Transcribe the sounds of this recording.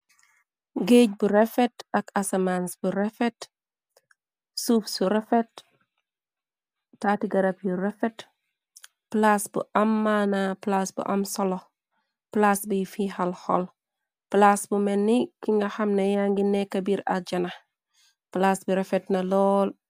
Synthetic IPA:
ɡeːɟ̚buɾefetɐkasemansb̥uɾefet | suːfsuɾefet̚ | atiɡɐɾap̚juɾɛfet | plasbṵʔamːanaplasbṵʔamsɔlɔ | plasbufihalhɔ̰l | plasbumɛnːikiŋɡaxamnɐjaŋɡinekɐbiːɾa̰ɟɐna | plaːsbuɾɛfetnɐlɔːl

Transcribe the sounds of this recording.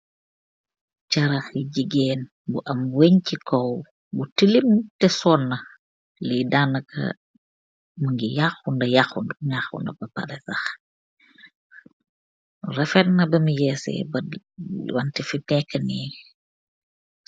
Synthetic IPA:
t͡ʃɐɾɐxjiɟiɡɛːn | buʔɐmwɛɲcikɔw | butilimtɛsɔːnːɐ | lidaːnɐkʰɐ̰ | mɐŋɡijaxundɐjaxunduɲaxṵndɐ̰bɐpɐ̰ɾɛsɐx | rɛfɛtnɐbɐmijɛsɛ̰bɐ | wɐntifimɛkːɐni

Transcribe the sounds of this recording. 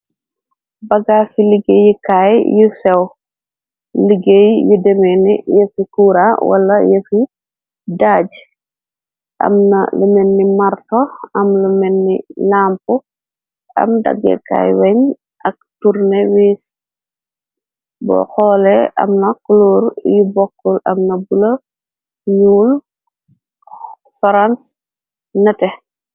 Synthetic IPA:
bɐɡaːsiliɡejikaːjjusɛw | liɡejjudɛmɛnijɐfikuːɾawɐ̰lːɐjɐfi | daːɟ | ʔɐ̰mnɐ̰lumɛnːimɐrtɔɐmlumɛnːilampu | ʔɐ̰mdɐ̰ɡɛ̰ka̰jwɛɲ | ʔɐk̚tuɾnɛwiːs | bɔ̰xɔːlɛʔɐ̰mnɐklɔːɾjibɔkːulɐ̰mnɐbulɐ | juːl | fɔɾans | nɐtɛ

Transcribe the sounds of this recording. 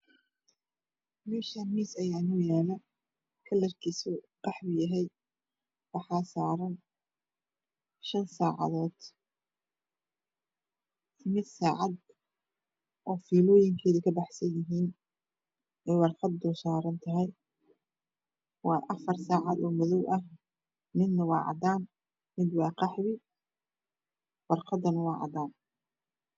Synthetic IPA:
mɛːʃɐmiːsɐjaːnʊjaːlɐ | kʰɐlɐrkʰɪsʊ | b̥ɑħbʊjɐɦɛj | wɑħɑːsaːɾɐn | ʃɐnsaːʕɑ̰ðɔːd̪̥ | ɪmɪd̪saːʕɑd̪ | ʔɔːfiːlɔːjɪŋkʰɛːðɪkʰɐbɑħsɐnjɪɦiːn | ʔɛːwɑrqɑd̪̚ːɔːsaːɾɐnt̪ʰɐɦɛj | wɑːʔɐfɐrsaːʕɑd̪ɔːmɔðɔwʔɐh | mɪd̪nɐwɑ̰ːʕɑ̰d̪aːn | mɪd̪wɑːqɛʕwɪ | wɑrqɑd̪ɐnɐwɑːʕɑ̰d̪aːn

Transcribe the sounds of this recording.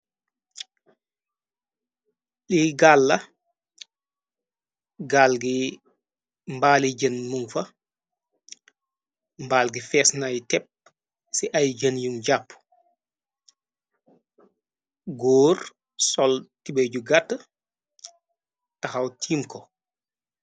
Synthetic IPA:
ɗiɡaːlːɐ | ɡaːlɡi | mbaːliɟɐnmuŋfɐ | mbaːlɡifɛːsnajtɛp̚ | siʔɐjɟɐnjuŋɟapː | ɡoːr | sɔltibeɟuɡatː | tɐxɐwtʰiːmkɔ

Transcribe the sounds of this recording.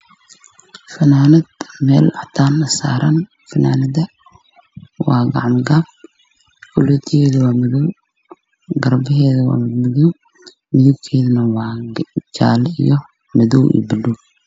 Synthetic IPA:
fɐnaːnɐd̪mɛːlat̪ʰaːnɐsa̰ːɾɐn | fɐnaːnɐðɐ | wɑ̰ːɡɑ̰ʕɑmɡaːb̚ | kʰɔlɔːt̪ʰɪɛːðɐwɑːmɐðɔw | ɡɐrbɪɦɛːðɐwa̰ːmɪmɐðɔw | mɪðʊb̚kʰɛːðɐnɐwɑːd͡ʒa̰ːlḭjɔ | mɐðɔwḭːbɪduw

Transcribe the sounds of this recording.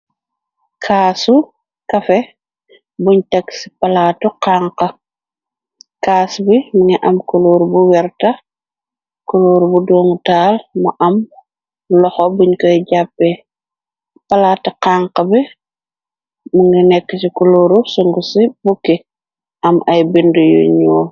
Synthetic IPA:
kʰaːsu | kɐfɛ | buɲtɐksi̥pɐlaːtuqaːŋqɐ | kaːsbimuŋɡiʔɐmkuloːɾubuwɛɾtɐ | kuloːɾubudoːŋtaːlmɐʔɐm | lɔxɔbuɲkɔjɟapːɛ | pɐlaːtɐqaːŋqɐbi | muŋɡinɛkːəsikuloːɾusuŋɡusibukːi | ʔɐmʔɐjbindujṵɲɔː

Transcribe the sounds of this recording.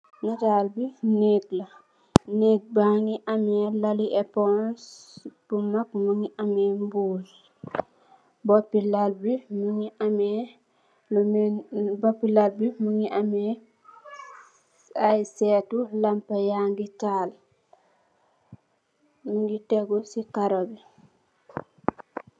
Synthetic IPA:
natalbineːklɐ | neːk̚baŋiʔɐmɛlɐliʔɛpɔnsb̥umakmuŋiʔɐmɛːmbuːl | bɔpːilalbimuŋiʔamɛ | bopːilalbimuŋiʔamɛ | ajsɛtulampajaŋɡital | muŋɡitɛɡɔsikaɾobi

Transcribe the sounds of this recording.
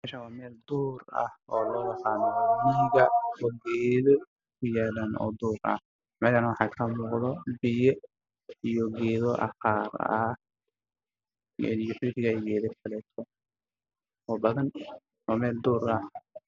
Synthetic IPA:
mɛːʃɐwɑːmɛːld̪uːrɐ̰hɔːlɔːjɐqɑːnɔmɪɣɐɔɡɛːðɔ | kʰʊjaːlaːnɔ̰ːd̪uːɾɐ̰h | mɛʃanwɑħɑːkʰɐmuːqðɔbɪjɛ | ijɔɡɛːðɔʔɐ̰xɑːrɐ | ɛ̰nijɔħʊɾɪɣɐɛɡɛːðɛkʰɐlɛt̪ʰɔ | ɔːbɐðɐn | wɑːmɛːld̪uːɾɐ

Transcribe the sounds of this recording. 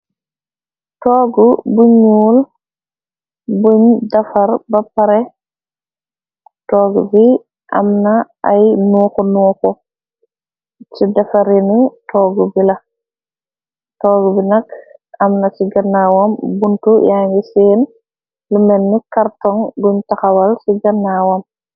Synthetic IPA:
tɔːɡubuɲul | buɲdafaɾbapaɾɛ | tɔːɡubi | ʔa̰mna | ajnuːkɔnukɔ | t͡ʃidɐfaɾinitʰɔːɡubilɐ | tɔːɡubinɐkɐmnasiɡɐnawɔmbuntujaːŋɡiseːn | lumɛnːikaɾtɔŋɡuɲtaxawalsiɡɐnːawɔm

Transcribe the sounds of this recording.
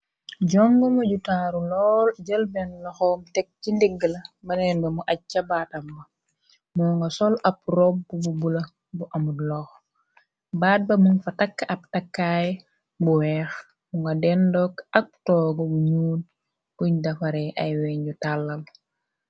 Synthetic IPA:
ɟɔŋɡɐmɐɟutaːɾulɔːlɟəlbɛnlɔxɔːmtɛk̚cindiɡːəlɐbɐnɛnbemuʔat͡ʃːɐbaːtɐmːɐ | muŋɡasɔlɐp̚ɾob̚bububulɐ | buʔamudlɔx | baːt̚bɐmuŋfatakːɐp̚takːaːj | buwɛːx | muŋɡɐdɛndɔkɐk̚tɔːɡobuɲuːn | kuɲdafaɾɛʔajwɛɲɟutalːɐl

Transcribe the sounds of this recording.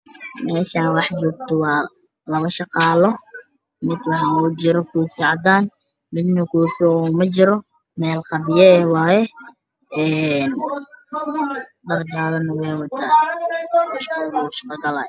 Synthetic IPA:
mɛːʃaːnwɑħt͡ʃɔːɡt̪ʰɔwɑː | lɐβɐʃɑqɑːlɔ | mɪd̪wɑħɑnut͡ʃɪɾɔkʰusiːʕɑd̪aːn | mɪd̪nʊkʰuːsʊumɐt͡ʃɪɾɔ | mɛːlqɑβɪjɐɛwɑːjɛ | ʔɛːn | ɖɐrd͡ʒaːlɐnɐwɛjwɐt̪ʰaː | ɔʃɑqɑðuʃɑ̥qɐɡɐla̰ːj

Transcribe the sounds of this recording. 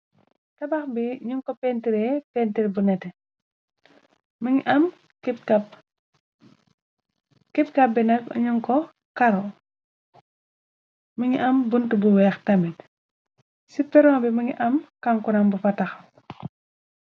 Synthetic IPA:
tɐbɐxbiɲuŋkɔpentiɾɛpentiɾbunɛtɛ | mʔɐm | kip̚kɐp̚ | kip̚kɐp̚binɐk̚ɲuŋkɔ | kɐɾɔ | muɲiʔɐmbuntubuwɛːxtɐmɛt | sipɛɾɔŋbimuɲiʔɐmkaŋkunɐmbufɐtɐxɐ

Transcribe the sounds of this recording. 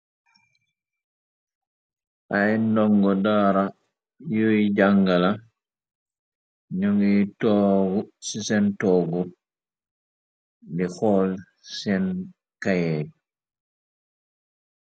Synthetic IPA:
ʔajndɔŋɡɔdaːɾa | jojid͡ʒaŋɡala | ɲoŋɡitɔɡsisɛntɔɡɔ | dɛxɔl | sɛn | kajɛd

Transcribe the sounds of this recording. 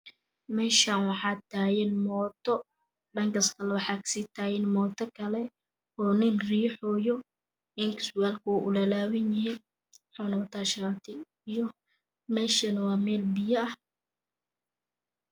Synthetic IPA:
mɛːʃaːnwɑħɑːt̪ʰaːjɛnmɔːt̪ʰɔ | ɖɐŋkʰɐskʰɐlɛwɑħɑːkʰɐ̥siːt̪ʰaːjɛnmɔːt̪ʰɔkʰɐlɛ | ɔːnɪnriːħɔːjɔ | ɪŋkʰsʊaːlkʰʊwʔʊlɐlaːwɪnjɪɦin | ħɔnɐβɐt̪ʰaːʃaːt̪ʰɪ | ijɔ | mɛːʃɐnɐwɑːmɛːlbɪjɐɐh

